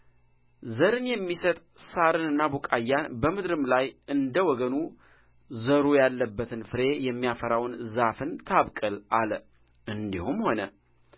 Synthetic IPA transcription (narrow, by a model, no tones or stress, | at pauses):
zəɾɨnjɛmːisət̪ʼsaɾɨnɨnːabukʼajːanbəmɨd̪ɾɨmlajʔɨnd̪əwɔɡənu | zəɾujalːəbːət̪ʰɨnfɨɾe̞jɛmːijafəɾawnzafɨnt̪ʰaβkʼəlal | ʔɨnd̪ihumho̞nə̰